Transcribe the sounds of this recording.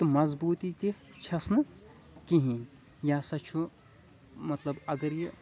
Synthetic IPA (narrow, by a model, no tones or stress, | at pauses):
t̪ɨmɐzbuːt̪it̪i | t͡ʃʰɐsnɨ | kiɦĩ | jaːsɐtːt͡ʃʰu | mɐt̪lɐbɐɡɐɾji